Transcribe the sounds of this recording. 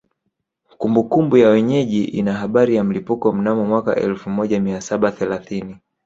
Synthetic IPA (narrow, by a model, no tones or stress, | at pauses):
kumbukumbujawɛɲɛʄiʔinaɦaɓaɾijam̩lipukɔm̩namɔmwaka̰ʔɛ̰lfumɔʄamiasaɓaθɛlaθini